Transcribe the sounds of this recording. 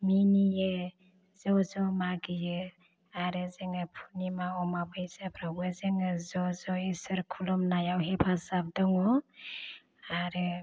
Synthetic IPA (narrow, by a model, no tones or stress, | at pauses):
minijɯ | zɔzɔmaɡɯjɯ | aɾɯzɯŋɯpʰunimaɔmabɯjzapʰɾawezɯŋɯzɔzɔisɯɾkʰulɔmnajawɦepʰasap̚dɔŋɔ | aɾɯ